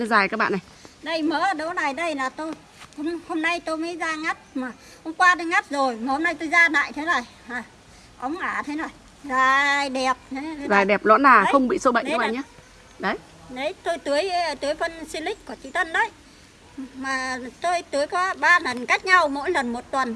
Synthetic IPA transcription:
zaː˨˩jkaː˦k̚ɓa̰ː˧˨na˨˩jɗə˧jməː˨˦ɗə˨˦na˨˩jɗə˧jlaː˨˩t̪o˧j | ho˧ŋ͡mho˧mna˧jt̪o˧jmə˨˦jzaː˧ŋa˦˥p̚maː˨˩ | ho˧ŋ͡mkwaː˧ɗ̪ə˧jŋa˦˥p̚zo˨˩jmaː˨˩ho˧mna˧jt̪o˧jzaː˧ɗa̰ː˧˨jt̪ʰe˨˦nə˨˩j | aː˨˩ | ʔə˨˦wŋ͡mʔaː˧˩t̪ʰə˨˦nə˨˩j | zaː˨˩ɗɛ˨˩p̚t̪ʰe˨˦˨zaː˨˩jɗɛ˨˩p̚lɔ˨˦nːaː˨˩˨xə˧wŋ͡mɓḭ˧˨so˧ɓa̰˧˨ɲ˧˦a̰˨ɲaː˧˦ | ɗə˨˦j | ɗə˨˦jt̪o˧jt̪ɨ˨˦əjt̪ɨ˨˦əjfə˧nsi˧lï˦˥k̚ku˧˩t͡ɕḭ˧˥t̪ʰə˧˨nɗə˨˦j | maː˨˩t̪o˧jt̪ɨ˨˦əjkɔ˨˦ɓaː˧lə˨˩nka˦˥jk̟̚ɲa˧wmo̰˧˥jlə˨˩nmo˨˩t̚t̪wə˨˩n

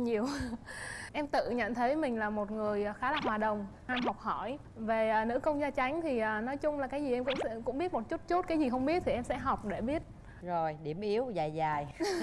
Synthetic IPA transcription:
ɲi˨˩əw | ʔɛ˧mt̪ɨ̰˧˨ɲə̰˧˨nt̪ʰə˨˦jmï˨˩ŋ̟laː˨˩mo˨˩t̚ŋɨ˨˩əjxaː˨˦laː˨˩hwaː˨˩ɗə˨˩wŋ͡mʔaː˧mɦɔ˨˩wk͡p̚hɔ˧˩j | ve˨˩əː˨˩nɨ̰˧˥kə˧wŋ͡mzaː˧t͡ɕa˨˦jŋ̟t̪ʰi˨˩ʔəː˨˩nɔ˨˦jt͡ɕʊ˧ŋ͡mlaː˨˩kaː˨˦jzi˨˩ʔɛ˧mkʊ̰˧˥ŋ͡mɛ̰˧˥kʊ̰˧˥ŋ͡mɓi˦˥ət̚mo˨˩t̚t͡ɕu˦˥t̚t͡ɕu˦˥t̚ka˨˦jzi˨˩xə˧wŋ͡mɓi˦˥ət̚t̪ʰi˨˩ʔɛ˧msɛ̰˧˥ɦa˨˩wk͡p̚ɗe˧˩ɓi˦˥ət̚ | zo˨˩jɗi˧˩əmʔi˨˦əwzaː˨˩jzaː˨˩j

